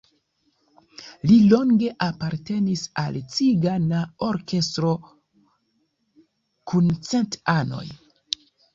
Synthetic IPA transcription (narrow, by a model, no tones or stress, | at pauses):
lilo̞ŋɡe̞ʔapaɾte̞nisa̰lt͡siɡanaoɾke̞stɾo̞ | kunt͡se̞ntano̞̰j